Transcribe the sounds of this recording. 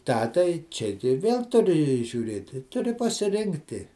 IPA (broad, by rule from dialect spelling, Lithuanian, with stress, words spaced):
ˈtɑː tɐɪ ˈt͡ʃʲɛ tɐɪ ˈʋʲeːlˠ tʊˈrʲɪ ʒʲuːˈrʲeːtʲɪ tʊˈrʲɪ pɐsʲɪˈrʲɪŋktʲɪ